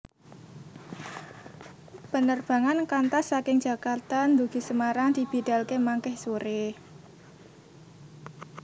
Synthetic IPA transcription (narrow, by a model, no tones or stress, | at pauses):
b̥ənərb̥a̤ŋankant̪asːakɪŋd͡ʒ̥a̤kat̪and̪uɡ̥i̤səmaɾaŋd̪̥i̤b̥i̤d̥a̤lkemaŋkɛhsuɾe